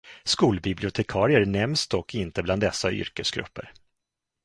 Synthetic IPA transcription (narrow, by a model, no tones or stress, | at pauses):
skuːlbɪblɪʊt̪ʰɛkʰɑːɾɪəɾnɛmsd̪ɔkʰːɪnt̪əbland̪ɛsːaʔʏ̰ɾkəsɡɾɵ̰pːə̰ɾ